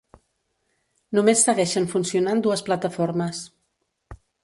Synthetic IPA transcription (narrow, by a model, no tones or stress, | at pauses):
numesːəɣɛʃəɱfunsiunand̪uəsplət̪əfoɾməs